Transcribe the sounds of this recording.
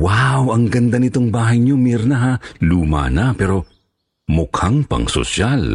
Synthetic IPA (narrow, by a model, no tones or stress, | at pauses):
wawɐŋɡɐnd̪anɪt̪oŋbaːɦɐjɲomiɾnɐɦaluːma̰nɐpɛːɾo̞ | mʊkhaŋpɐ̰ŋso̰ʃal